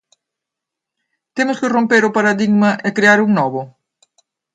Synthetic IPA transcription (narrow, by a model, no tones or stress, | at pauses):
t̪emʊskɪrompeɾʊpaɾaðiɣmɐʔekɾeaɾuŋnɔβʊ